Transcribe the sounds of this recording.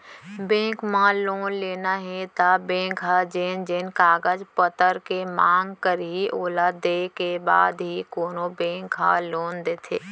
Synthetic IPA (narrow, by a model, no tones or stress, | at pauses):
bẽːkmãloːnleːnaɦẽt̪abẽːkɦad͡ʒeːnd͡ʒeːnkaːɡəd͡ʒpət̪əɾkemaːŋɡkəɾɦiʔoːlaːd̪eːkeba̰ːd̪ɦikoːnobẽːkɦa̰loːnd̪eːt̪ʰeː